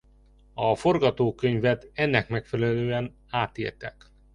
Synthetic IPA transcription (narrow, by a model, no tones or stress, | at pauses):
ɒforɡɒt̪oːkøɲvɛt̪ɛnːɛkmɛkfɛlɛløːɛn | aːt̪ḛːlt̪ɛk